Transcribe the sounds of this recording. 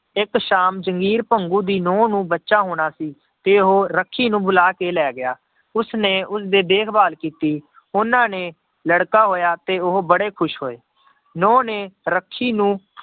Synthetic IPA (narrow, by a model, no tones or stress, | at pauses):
ɪkʃaːmd͡ʒəŋɡiːɾpəŋɡũːd̪iːnɔ̃ːnũːbətːʃãːɦoːɽ̃aːsiː | t̪eːʊɦoːɾəkʰːiːnũːbʊlaːkeːlɛːɡɪjaː | ʊsneːʔʊsd̪eːb̪eːkʰbaːlkiːt̪iː | ʊnãːneː | ləɽkaːɦoːjaːt̪eːʊɦobəɽeːkʰʊʃɦoːeː | nɔ̃ːneːɾəkʰːiːnũː